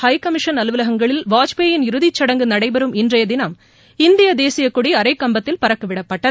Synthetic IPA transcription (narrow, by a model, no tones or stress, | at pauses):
hɐjkɐmɪʂɐnɐlɯʋɪlɐɣɐŋɡɐɭɪlʋaːt͡ʃpeːjɪnɪɾɯðɪt͡ʃːɐɽɐŋɡɯnɐɽɐɪbɐɾɯmɪndrɐjɐd̪ɪnɐm | ɪnd̪ɪjɐd̪eːsɪjɐkːʊɽiɐɾɐɪkːɐmbɐt̪ːɪlpɐɾɐkːɯʋɪɽɐpːɐʈːɐ